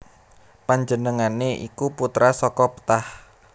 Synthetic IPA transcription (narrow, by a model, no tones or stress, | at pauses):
paɲd͡ʒənəŋaneʔḭkuput̪ɾasɔkɔpə̥t̪ah